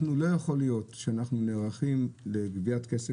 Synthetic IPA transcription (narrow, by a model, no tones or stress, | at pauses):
nulo̞jaχo̞lijo̞tʃeanaχnuneʁaχimle̞ɡviatkese